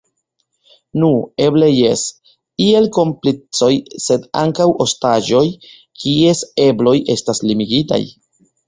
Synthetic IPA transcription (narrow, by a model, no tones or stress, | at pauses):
nue̞ble̞je̞s | ie̞lko̞mplit͡so̞jse̞da̰ŋkawʔo̞staʒo̞j | kie̞se̞blo̞jʔe̞staslimiɡita̰j